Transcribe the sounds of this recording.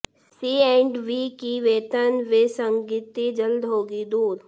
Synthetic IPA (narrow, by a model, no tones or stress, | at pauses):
siːɛ̃ːɳɖʋikiʋeːt̪ənʋɪsə̃ŋɡiːt̪id͡ʒəld̪ɦoːɡid̪uːɾ